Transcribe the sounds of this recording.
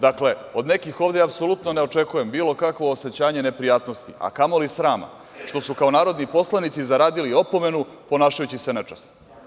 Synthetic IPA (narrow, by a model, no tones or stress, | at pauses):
d̪akle̞o̞d̪ne̞kixo̞ːʋd̪eapso̞lut̪no̞ne̞o̞t͡ʂe̞kuje̞mbiːlˠo̞kakʋo̞ːse̞t͡ɕaːɲe̞ne̞pɾijaːt̪no̞st̪iʔa̰kamolisɾaːma̰ | ʃt̪o̞sukao̞naːɾo̞d̪nipo̞slˠanit̪sizaɾaːd̪ilio̞po̞me̞nu | po̞naːʃajut͡ɕisenɛt͡ʂast̪